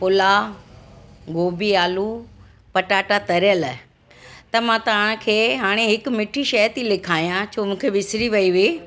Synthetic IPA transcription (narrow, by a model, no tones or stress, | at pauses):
pʊla | ɡoːbiaːlu | pɐʈaːʈat̪ɐɾjəl | t̪ɐmãt̪ɐʋəɽ̃kʰeːɦaːɽ̃eɦɪkʊmɪʈʰiʃɐət̪ilɪkʰaːijãt͡ɕʰoːmũːkʰeʋɪsɾiʋɐiʋiː